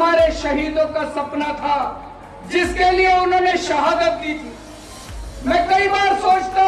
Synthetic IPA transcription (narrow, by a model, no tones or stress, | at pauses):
maːɾeʃɐɦiːd̪õkasɐpnat̪ʰa | d͡ʒɪskelieʊnɦõːneʃɐɦaːd̪ət̪̚kit̪ʰiː | mɛ̃ːkɐibaːɾsoːt͡ʃt̪a